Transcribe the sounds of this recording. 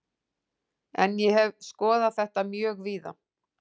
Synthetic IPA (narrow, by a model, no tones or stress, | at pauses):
ɛnjɛhɛvskɔːðaðθɛht̪amjœːɣviːða̰